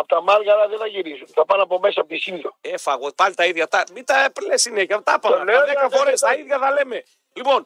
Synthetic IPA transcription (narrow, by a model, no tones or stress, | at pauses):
ɐpot̪ɐmɐlɣɐɾɐðeθɐʝiɾizunθɐpɐnɐpo̞mesɐɐpot̪isindoefɐɣopɐlit̪ɐiðʝɐt̪ɐmit̪ɐplesineçɐt̪ɐpɐɐnðekɐfoɾest̪ɐiðʝɐθɐle̞me | lipo̞n